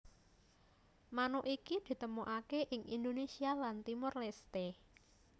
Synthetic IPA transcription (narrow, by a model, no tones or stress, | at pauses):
manoʔikid̪̥i̤t̪əmoʔakeʔɪŋind̪onesialant̪imʊrlest̪e